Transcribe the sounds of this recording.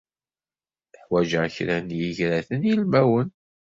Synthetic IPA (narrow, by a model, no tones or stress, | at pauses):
əħwæʒəçɾænjəʝɾæθənjəlmæwən